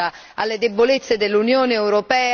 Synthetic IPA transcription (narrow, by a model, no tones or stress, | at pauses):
a | alːed̪ebːolet̪sːed̪elːunjoːneɛwɾopɛː